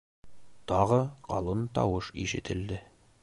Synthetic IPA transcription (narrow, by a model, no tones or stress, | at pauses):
t̪ɒʁɤqɒ̰lˠɤnt̪ɒ̰wɤʃiʃɘ̆t̪ʰɘ̆ld̪ɘ